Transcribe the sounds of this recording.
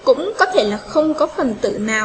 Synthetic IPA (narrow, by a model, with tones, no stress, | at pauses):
kʊ̰˧˥ŋ͡mkɔ˨˦t̪ʰe˧˩laː˨˩xə˧wŋ͡mkɔ˨˦fə˨˩nt̪ɨ̰˧˨naː˨˩w